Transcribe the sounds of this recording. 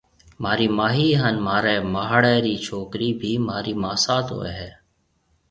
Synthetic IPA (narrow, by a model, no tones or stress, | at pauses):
maːɾiːmaːɦiːɦənmaːɾɛːmaːɦɽɛːɾiːt͡ʃʰoːkɾiːbʱiːmaːɾiːmaːsaːt̪o̰ːḛɦɛː